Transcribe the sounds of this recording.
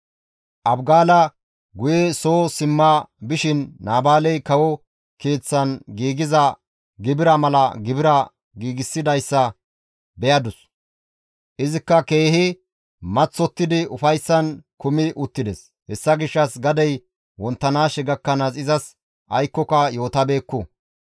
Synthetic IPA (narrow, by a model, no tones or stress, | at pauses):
ʔɐbɡaːlɐ | ɡʊjɛso̞ːsɪmːabɪʃɪnːaːbaːlɛjkɐwɔ | ke̞ːt͡sːɐnɡiːɡɪzɐ | ɡɪbɪɾɐmɐlɐɡɪbɪɾɐ | ɡiːɡɪsːɪd̪ɐjsːɐ | bɛjɐd̪ʊs | ʔɪzɪkːɐke̞ːhɪ | mɐt͡sːɔt̪ːɪd̪ɪʔʊfɐjsːɐnkʊmɪʔʊt̪ːɪd̪ɛs | hɛsːɐɡɪʃːɐsɡɐd̪ɛj | wɔnt̪ːɐnaːʃɛɡɐkːɐnɐsɪzɐs | ʔɐjkːɔkɐjo̞ːt̪ɐbe̞ːkːʊ